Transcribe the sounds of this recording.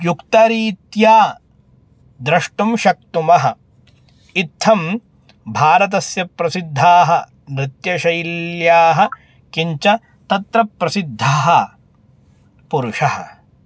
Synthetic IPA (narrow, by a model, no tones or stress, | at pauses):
jukt̪ɐɾiːt̪jaː | d̪ɾɐʂʈumʃɐk̚t̪umɐɦɐ̆ | it̪ʰːɐm | bʱaːɾɐt̪̬ɐsjɐpɾɐsid̪ʱːaːɦɐ | mɾɪt̪jɐʃɐjljaːɦɐ | kiɲt͡ʃɐ | t̪ɐt̪ɾɐpɾɐsid̪ʱːaːɦɐ̆ | puɾuʂɐɦɐ̰̆